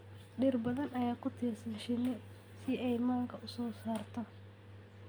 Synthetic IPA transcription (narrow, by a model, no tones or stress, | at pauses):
ɗɪrbɐðɐnɐjaːkʰʊt̪ʰiːrsɐnʃɪnɪ | sɪɛjmaːŋkʰɐʔʊsɔːsaːrt̪ʰɔ